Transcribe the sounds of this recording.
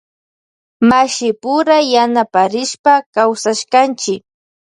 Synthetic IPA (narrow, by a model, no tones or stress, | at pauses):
maʃɪpʊɾajanapaɾɪʃpakawsaʃkant͡ʃɪk